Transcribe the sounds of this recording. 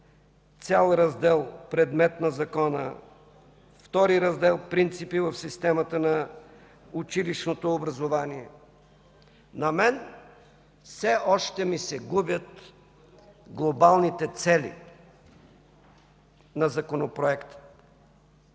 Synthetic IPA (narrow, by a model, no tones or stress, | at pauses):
t̪sʲalˠɾɐzd̪ɛlˠpɾɛd̪mɛt̪nɐzɐkɔnə̰ | ft̪ɔɾiɾɐzd̪ɛlˠpɾint̪sipivəfsist̪ɛmət̪ənɐ | ʊt͡ʃiliʃnot̪oːbɾɐzovaniɛ | nɐmɛn | fsɛɔʃt̪ɛmisɛɡubʲjət̪ | ɡlˠobalˠnit̪ɛt̪sɛlḭ | nɐzɐkonopɾoɛkt̪ə̥